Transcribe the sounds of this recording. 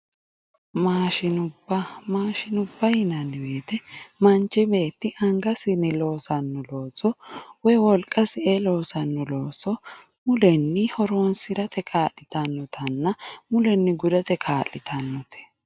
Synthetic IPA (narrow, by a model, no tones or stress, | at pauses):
maːʃɪnʊbːɐmaːʃɪnʊbːɐjɪnɐnːɪweːt̪ɛmɐnt͡ʃːɪbe̞ːt̪ːɪʔɐŋɡɐsɪnːɪlo̞ːsɐnːɔloːsɔwɔjwɔlkʼːɐsɪɛlo̞ːsɐnːɔlo̞ːsɔ | mʊlɛnːɪhɔɾonsɪɾɐt̪ɛkʰaːlːɪt̪ɐnːɔt̪ʰɐnːɐmʊlɛnːɪɡʊd̪ɐt̪ɛkʰaːlːɪt̪ʰɐnːɔt̪ʰɛ̥